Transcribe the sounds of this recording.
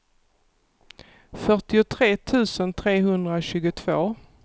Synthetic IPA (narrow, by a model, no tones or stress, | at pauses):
fœʈɪʊt̪ʰɾeːt̪ʰʉ̟ːsənt̪ʰɾeːɦɵnd̪ɾaɕʉ̟ːɡʊt̪ʰv̥oː